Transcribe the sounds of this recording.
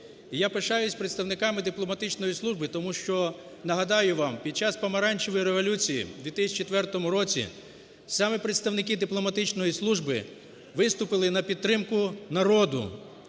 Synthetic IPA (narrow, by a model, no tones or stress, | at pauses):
ijapeʃɑjʊsʲpɾet̪st̪ɐwnɪkɑmɪd̪ɪplˠɔmɐt̪ɪt͡ʃnɔjislˠuʒbɪt̪ɔmuʃt͡ʃɔ | nɐɦɐd̪ɑjʊʋɑmpʲid̪̚t͡ʃɑspɐmɐɾɑnʲt͡ʃɪʋɔjiɾeʋɔlʲut͡sʲijḭd̪ʋʲit̪ɪsʲt͡ʃit̪ʋɛrt̪ɔmʊɾɔt͡sʲḭ | sɑmɛpɾet̪st̪ɐwnɪkɪd̪ɪplˠɔmɐt̪ɪt͡ʃnɔjislˠuʒbɪ̰ | ʋɪst̪ʊpɪlˠɪnɐpʲid̪̚t̪ːɾɪmkʊnɐɾɔd̪ʊ̰